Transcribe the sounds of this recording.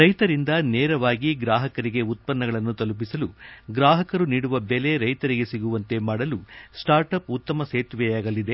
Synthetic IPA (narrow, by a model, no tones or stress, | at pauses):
ɾɐjt̪ɐɾind̪ɐneːɾɐʋaːɡiɡɾaːɦɐkɐɾiɡe̞ut̪̚pɐnːɐɡɐɭɐnːut̪ɐlup̬isɐluɡɾaːɦɐkɐɾuniːɽuʋɐbele̞ɾɐjt̪ɐɾiɡe̞siɡuʋɐnt̪e̞maːɽɐlusʈaːɾʈɐput̪ːɐmɐseːt̪ʋɛjaːɡɐlːid̪e